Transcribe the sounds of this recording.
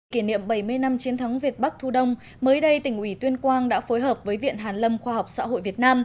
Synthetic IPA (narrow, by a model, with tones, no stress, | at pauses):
ki˧˩nḭ˧˨əmɓə˧˩jmɨ˧əjna˧mt͡ɕi˨˦ənt̪ʰə˨˦wŋ͡mvi˨˩ət̚ɓa˦˥k̚t̪ʰu˧ɗə˧wŋ͡m | məː˨˦jɗə˧jt̪ï˧˩ŋ̟ʔwi˧˩t̪wi˧ənkwaː˧nɗa̰ː˧˥fo˨˦jɦəː˨˩p̚vəː˨˦jvḭ˧˨ənɦaː˨˩nlə˧mxwaː˧ɦa˨˩wk͡p̚sa̰ː˧˥ɦo̰˧˨jvi˨˩ət̚naː˧m